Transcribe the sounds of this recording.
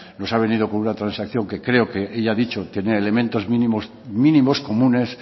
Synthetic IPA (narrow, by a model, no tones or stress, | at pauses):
no̞saβ̞e̞niðo̞ko̞nunat̪ɾansakθjo̞ŋke̞kɾe̞oke̞ʔeʎaaðit͡ʃot̪je̞neele̞mẽnt̪o̞zmĩnimos | mĩnĩmo̞sko̞mũne̞s